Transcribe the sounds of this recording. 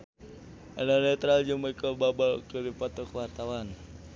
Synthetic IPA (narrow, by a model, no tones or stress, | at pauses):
ɛlɔnɛt̪ɾald͡ʒuŋməikɔbabalkəɾipɔt̪ɔkəwart̪awan